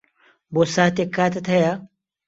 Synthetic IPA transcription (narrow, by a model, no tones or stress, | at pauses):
boːsaːt̪ekːaːt̪ʰɐt̪ʰɐja